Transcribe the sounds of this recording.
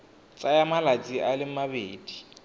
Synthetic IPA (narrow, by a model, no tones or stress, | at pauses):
t͡sʼajamalat͡sʼiʔalɪmabeːd̥i̥